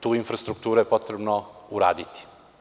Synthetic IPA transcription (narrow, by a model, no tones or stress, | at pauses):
t̪uːinfɾast̪ɾukt̪uːɾajepot̪ɾebnouɾa̰ːd̪it̪i̥